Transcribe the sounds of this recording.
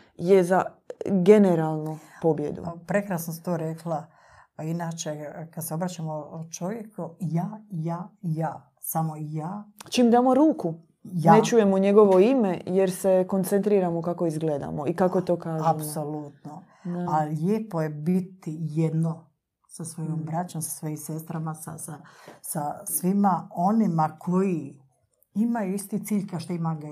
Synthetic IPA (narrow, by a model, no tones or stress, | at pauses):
jeza | ɡe̞neɾaːlˠnupo̞bjḛd̪ṵpɾe̞kɾasnoset̪oːɾeklˠa | inaːt͡ʃekad̪seo̞bɾaːt͡ʃamot͡ʃo̞ʋjekujaːjaːjaː | samoijaːt͡ʃiːmd̪aːmoɾuːku | janet͡ʃuːjemoɲeɡo̞ʋo̞imejeɾsekont̪sent̪ɾiːɾamokakoizɡleːd̪a̰moikakoet̪oːkaːzapsolut̪no | alʎeːpoje̞bit̪ijed̪no | sasʋo̞jombɾat͡ɕomsḁsʋojimse̞st̪ɾamasa̰sasasʋimao̞nimakʰoji | imajuist̪it̪siːʎkaʃt̪oimaɡa